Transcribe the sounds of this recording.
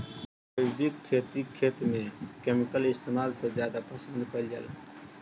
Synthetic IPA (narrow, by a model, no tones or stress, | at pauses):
əd̪ikʰːeːt̪ikʰːeːt̪mẽkeːmɪkəlɪst̪eːmaːlsezjaːd̪apəsə̃nd̪kəljə̰l